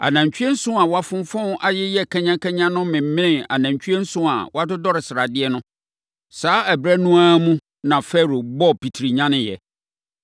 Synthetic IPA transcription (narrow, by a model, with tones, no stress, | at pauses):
a̰˨nã˨ɲ˨t͡ɕᶣɥɛ˦n̩˦sʊ̃˦a˨wa˦fʊ̃˦m˦fɔ̃˦n˦ʔa˦jɪ˦jɛ˦kʰɛ̃˦ɲã˦kʰɛ˦ɲã˦nʊ̃˦mɪ̃˨m̩˦mɪ̃˦nɪ̃˨a̰˨nã˨ɲt͡ɕʰᶣɥɛ˦n̩˦sʊ̃˦a̰˨wɔ˦a˦dʊ˦dɔ˦ɾɪ˨sɪ˨ɾa˨dɪ˦ɛ˦nʊ̃˦ | saː˨˦æ˨bɾɛ˦nũ˦aː˦mũ˦ | nã˨fɛ˦˨ɾo˨bɔ˦pi˨tʰɾi˨ɲã˦nɪ̃˦jɛ̰˨